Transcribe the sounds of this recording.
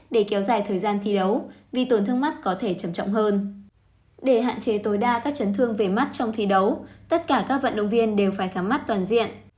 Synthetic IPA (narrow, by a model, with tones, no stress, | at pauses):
ɗe˧˩kɛ˨˦wzaː˨˩jt̪ʰəː˨˩jzaː˧nt̪ʰi˧ɗə˨˦wvi˨˩t̪o˨˩nt̪ʰɨ˧əma˦˥t̚kɔ˨˦t̪ʰe˧˩t͡ɕə˧˩mt͡ɕɔ̰˧˨wŋ͡mhəː˧n | ɗe˧˩ɦa̰ː˧˨nt͡ɕe˨˦t̪o˨˦jɗaː˧kaː˦˥k̚t͡ɕə˨˦nt̪ʰɨ˧əŋve˨˩ma˦˥t̚t͡ɕɔ˧wŋ͡mt̪ʰi˧˩ɗə˨˦wt̪ə˦˥t̚kaː˧˩kaː˦˥k̚və̰˧˨nɗə̰˧˨wŋ͡mvi˧ənɗe˨˩wfaː˧˩jxaː˨˦ma˦˥t̚t̪waː˨˩nzḭ˧˨ənʔ